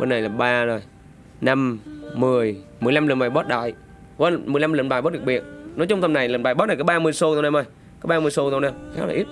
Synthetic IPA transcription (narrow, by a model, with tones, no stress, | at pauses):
ɓo̰˧nːa˨˩jlaː˨˩ɓaː˧zo˨˩j | na˧mːɨ˨˩əjmɨ˨˩əjla˧mlə̰˨˧˩nɓaː˨˩jɓɔ˦˥t̚ɗa̰ː˧˨j | və˧˩nmɨ˨˩əla˧mləː˨˧˩nɓaː˨˩jɓɔ˦˥t̚ɗɨ˨˩k̚ɓi˨˩ət̚nɔ˨˦t͡ɕɔ˧ŋ͡mt̪ə˧mna˨˩jləː˨˩nɓaː˨˩jɓɔ˦˥na˨˩kːaː˨˦ɓaː˧mɨ˧əjso˧t̪ːna˧ma˧˩j | kaː˨˦jɓaː˧mɨ˧əjso˧wna˧˩xa̰˨˦˥la̰ː˨ʔi˦˥t̚